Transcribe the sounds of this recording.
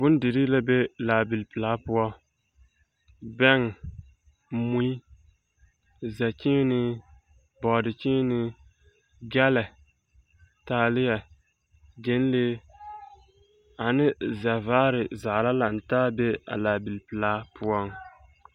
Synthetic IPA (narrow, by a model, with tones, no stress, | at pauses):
bʊ˦n˦dɪ˨ɾi˦la˦be˦laː˨bɪ˨lpɨ˨laː˦pʊ˦ɔ˦ | bɛ˦ŋ˨ | mu˦i˦ | za˨t͡ʃɪ˦nɪ˦ | bɔ˨dɪ˨t͡ʃɪ˦nɪ˦ | ɡɛ˦lɛ˨ | taː˨lɪ˦ja˨ | d͡ʒe˨˦n˦leː˦ | a˨nɪ˦za˨vaː˦ɾɪ˨za˨ʔla˦la˨n̩˨taː˦be˦a̰˨laː˨bi˨lpɨ˨laː˨˦pʊ˦ɔ˦ŋ